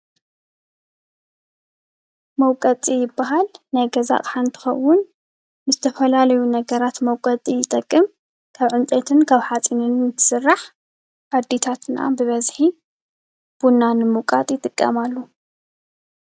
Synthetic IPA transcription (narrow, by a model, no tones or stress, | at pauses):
mɐwkʼɐt͡s̪ʼijɪbːaɦalnajɡɐza̰χʼħant̪ʰɨ̥xɐ̰wːʊn | nɨzɨt̪ʰɐfɐlalɐjunɐɡɐɾat̪mɐwkʼɐt͡s̪ʼijɪt̪ʼɐkʼːɨm | kʰaβʕɨnt͡sʼet̪ʰɨnkʰaβħat͡sʼinɨnɨt̪ʰɨ̥sɨrːaħ | ad̪ːit̪ʰat̪na̰bɨβɐzħi | b̥unːanɨmɨkʼa̰t̪ʼjɪt̪ʼɨkʼːɐ̰malːu